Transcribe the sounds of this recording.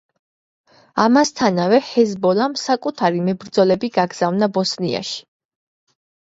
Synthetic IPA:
amast̪ʰanavɛhɛzbɔlamsakʼut̪ʰaɾimɛbɾd̪zɔlɛbiɡaɡz̥avnabɔsnia̰ʃi̥

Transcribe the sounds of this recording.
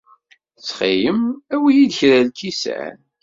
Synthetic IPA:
t͡sχijəmæwijid̪çɾælkisʕæ̰n

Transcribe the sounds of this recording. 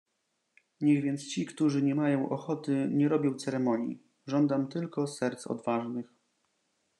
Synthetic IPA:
ɲɛɣvʲjɛnt̪st͡ɕikt̪uʐɘɲɛmajɔ̃w̃ʔɔxɔt̪ɘɲɛɾɔbʲjɔ̃w̃t̪sɛɾɛmɔɲjḭ | ʐɔnd̪amt̪ɘlkɔsɛɾt̪sɔ̰d̪vaʐnɘx

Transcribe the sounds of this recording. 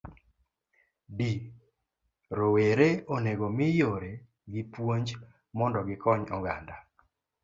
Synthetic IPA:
bi | ɾoweɾeoneɡomɪjoɾe | ɡɪpwoɲd͡ʒ | mɔndɔɡɪkɔɲɔɡa̰nda

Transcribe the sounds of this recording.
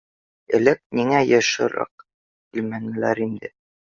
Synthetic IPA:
ɘ̆lɘk̚miŋæjɤ̆ʃɤ̰̆ɾɑ̰q | kilmænmɘ̆læɾind̪ɘ

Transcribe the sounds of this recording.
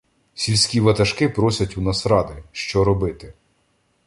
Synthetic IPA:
sʲilʲsʲkʲiʋɐt̪ɐʃkɪpɾɔsʲɐtʲunɐsɾɑd̪ɪʃt͡ʃɔɾɔbɪt̪ɪ

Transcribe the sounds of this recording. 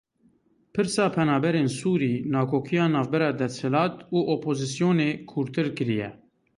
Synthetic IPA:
pʰɨɾsɑːpʰɛnɑːbɛɾeːnsuːɾiːnɑːkʰoːkʰijɑːnɑːvbɛɾɑːd̪ɛshɛlɑːt̪uːʔoːpʰoːzisijoːneːkʰuːɾt̪ɨɾkɨɾijɛ̰

